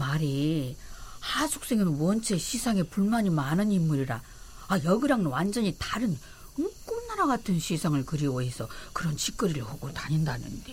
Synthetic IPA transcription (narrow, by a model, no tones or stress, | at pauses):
maɾi | had͡ʑʰu̥k̚s͈e̞ŋɯnuwʌnt͡ɕʰe̞ɕʰisʰaŋe̞puɭmaɲimanɯnimːuɾiɾa | ajʌɡɯɾaŋɯnwand͡ʑʌɲitaɾɯn | ɯŋk͈onnaɾaɡatʰɯnɕʰisʰaŋɯɭkɯɾioɦe̞sʰʌkɯɾʌnt͡ɕik͈ɯɾiɾɯɭhoɡotaɲindanɯ̰nde